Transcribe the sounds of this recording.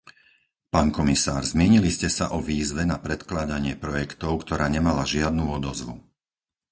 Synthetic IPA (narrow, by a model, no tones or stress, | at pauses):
paːnkɔmisaːɾzmɪɛɲiliscɛsa̰ʔɔʋiːzʋɛnapɾɛt̪klaːd̪aɲɪɛpɾɔjɛkt̪ɔʊkt̪ɔɾaːɲɛmalaʒɪad̪nuːɔd̪ɔzʋṵ